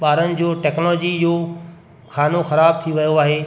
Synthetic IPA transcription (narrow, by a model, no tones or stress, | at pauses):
ɓaːɾənɪ̆d͡ʑoːʈɛːknlɔd͡ʑijoː | kʰaːnoxɐɾaːb̚t̪ʰiʋɐjoaːɦeː